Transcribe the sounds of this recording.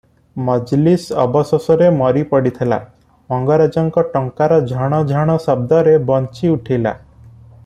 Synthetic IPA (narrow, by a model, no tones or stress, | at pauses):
mɔd͡ʒlisɔ̰bɔsɔsɔɾemɔɾipɔɽit̪ʰela̰ | mɔŋɡɔɾad͡ʒɔŋkɔʈɔŋkaɾɔd͡ʒʱɔɽ̃ɔd͡ʒʱɔɽ̃ɔsɔb̚d̪ɔɾebɔnt͡ʃiuʈʰila̰